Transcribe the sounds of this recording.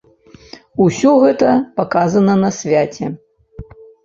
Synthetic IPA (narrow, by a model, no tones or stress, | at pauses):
usʲɔɣɛt̪ɐpakazɐnɐnɐsʲvʲat͡sʲɛ